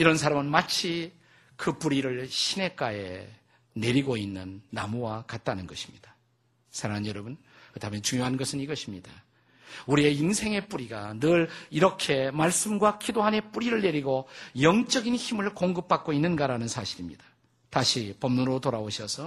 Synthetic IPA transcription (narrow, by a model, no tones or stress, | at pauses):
iɾʌnsʰaɾamɯnmat͡ɕʰi | kɯpuɾiɾɯɭɕʰine̞k͈aḛ | ne̞ɾiɡoinːɯnːamuwakat̚t͈anɯnɡʌɕʰi̥mɲid̥a | sʰaɾaanjʌɾʌbun | kɯdamjʌnt͡ɕuŋjoɦanɡʌsʰɯniɡʌɕʰimɲid̥a | uɾie̞iŋsʰe̞ŋe̞p͈uɾiɡanɯɭiɾʌkʰe̞maɭs͈ɯmɡwakidoɦane̞p͈uɾiɾɯɭne̞ɾiɡojʌŋt͡ɕ͈ʌɡinçimɯɭkoŋɡɯp̚p͈ak̚k͈oinːɯnɡaɾanɯnsʰaɕʰiɾimɲidḁ | taɕʰipʌmnunɾotoɾaoɕʰʌsʰʌ